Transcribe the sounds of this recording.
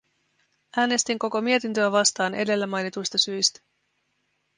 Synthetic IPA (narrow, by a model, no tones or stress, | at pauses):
ʔæːne̞st̪iŋko̞ko̞mie̞t̪int̪øæʋɑst̪ɑːnʔe̞de̞lːæmɑjnit̪ujst̪ɑsyjst̪æ̥